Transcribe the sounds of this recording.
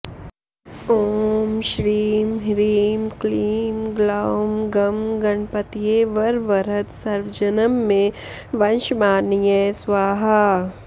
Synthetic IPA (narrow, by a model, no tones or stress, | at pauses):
oːmʃɾiːmɦɾiːmkliːmɡlaːmɡɐmɡɐɳpət̪ijeːʋɐɾʋɐɾɦət̪sɐɾʋd͡ʒɐnəmːẽ | ʋɐ̃nʃmaːɾnijɛːswaːɦa